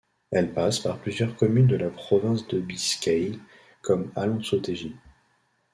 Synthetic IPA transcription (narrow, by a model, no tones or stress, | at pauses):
ɛlpaspaʁplyzjœʁkɔmynd̪əlapχɔvɛ̃sd̪əbiskʲɛj | kɔmalɑ̃sot̪eʒi